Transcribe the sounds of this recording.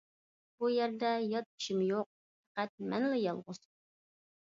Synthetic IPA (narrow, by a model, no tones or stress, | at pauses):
b̥ujæɾd̪ɛjɑt̪̚i̥ʃɪmjoq̚ | fæqæt̪̚mɛnlɪjɑlˠʁʊz